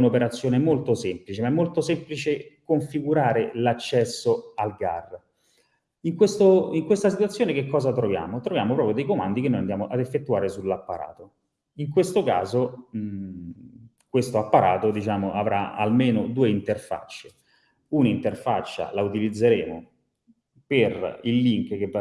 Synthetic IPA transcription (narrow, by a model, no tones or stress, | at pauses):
unopeɾat̪sːjoːnemolt̪osemplit͡ʃemaɛmːolt̪osɛmplit͡ʃekoɱfiɡuɾaːɾelat͡ʃːɛsːoalɡa̰rː | iŋkwest̪oiŋkwest̪asit̪wat̪sːjoːnekekːɔːzat̪ɾovja̰ːmot̪ɾovjaːmopɾɔpɾjod̪ejkomand̪ik̬enːojand̪jaːmoʔad̪efːet̪ːuaːɾesulːapːaɾa̰ːt̪o | iŋkwest̪okaːzo | kwest̪oapːaɾaːt̪od̪it͡ʃaːmoʔavɾa̰a̰lmeːnod̪uːeint̪erfa̰t͡ʃːe | unaint̪erfat͡ʃːa̰laut̪ilid̪zːeɾeːmo | perilːiŋkk̟e